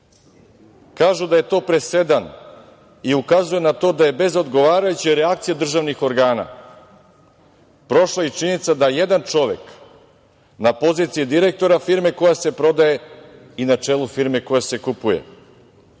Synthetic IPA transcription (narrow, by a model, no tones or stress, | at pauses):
kaːʒud̪ajet̪o̞ːpɾe̞se̞d̪an | iukazuje̞nat̪o̞ːd̪aje̞be̞zo̞d̪ɡo̞ʋaːɾajut͡ɕeɾeak̚t̪sijed̪r̩ʒaʋnixo̞ɾɡaːna̰ | pɾo̞ʃlˠait͡ʃinit̪sad̪aje̞d̪ant͡ʂo̞ʋe̞k | napo̞ziːt̪siid̪iɾe̞k̚t̪o̞ɾafiɾme̞ko̞jase̞pɾo̞d̪aje̞ | inat͡ʂeːlˠufiɾme̞ko̞jase̞kupujḛ